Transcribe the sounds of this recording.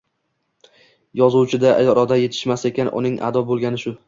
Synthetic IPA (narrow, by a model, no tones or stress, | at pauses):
jɒzuwt͡ʃʰɪd̪aʔjɒɾɒd̪aje̞t̪ʰɪ̥ʃmase̞kʲʰanʔʊ̰nɪŋʔa̰d̪ɒbolˠɡʲanɪʃʊ